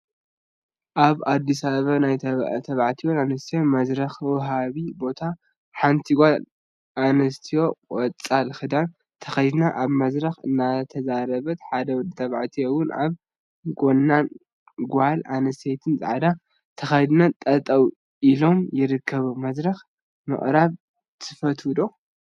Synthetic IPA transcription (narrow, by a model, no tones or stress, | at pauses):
ʔaβad̪ːisaββɐβnajt̪ʰɐβaʕt̪ʰijonanɐst̪ʰijo̞mɐzɾɐxwʊɦaβibo̞t̪ʰa | ħant̪ʰiɡʷa | ʔanɐst̪ʰijo̞kʼɔt͡sʼːalxɨd̪an | t̪ʰɐ̥xɐjd̪naʔaβmɐzɾɐxɨnːat̪ʰɐzaɾɐβɐt̪ħad̪ɐɨt̪ʰɐβaʕt̪ʰijowʊnʔa̰β | ɡo̞nːan | ɡʷʊhalanɐst̪ʰejt̪ʰɨnzʼa̰ʕad̪a | t̪ʰɐxɐjd̪nat̪ʼɐt̪ʼɐw | ʔilo̞mjɪɾɨkʰːɐβumɐzɾɐx | mɨ̰ʔʼɾaβ | t̪ʰɨfɐt̪wɨd̪o̞